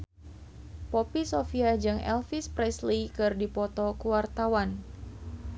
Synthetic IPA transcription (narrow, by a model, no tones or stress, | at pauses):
pɔpisofiad͡ʒɨŋɛ̰lfispɾɛslikɨrdipɔt̪ɔkuwart̪awan